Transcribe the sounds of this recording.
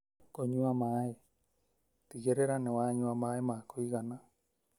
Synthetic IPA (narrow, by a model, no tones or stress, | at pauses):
koɲuamae | tiɣeɾeɾanewaɲuamaemakoiɣana